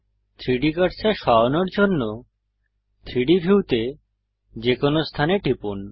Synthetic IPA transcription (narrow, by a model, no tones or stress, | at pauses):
t̪ʰɾiɖikaʈsʰeʃɔonoɾd͡ʑonːo | t̪ʰɾiɖibʱiwt̪e | d͡ʑekonost̪ʰaneʈipun